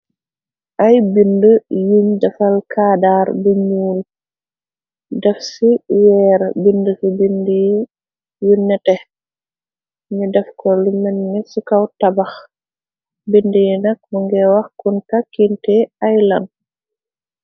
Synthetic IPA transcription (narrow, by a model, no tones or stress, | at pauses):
ʔajbindəjuɲdɐfalkʰaːdaːɾbuɲuːl | dɛfsiwɛːɾbindəsubindiji | junːɛtɛ | ɲudɛfkɔlumɛnːɛsukawtabax | bindijinɐk̚buŋɡɛwɐxkunkakːintɛajlɐn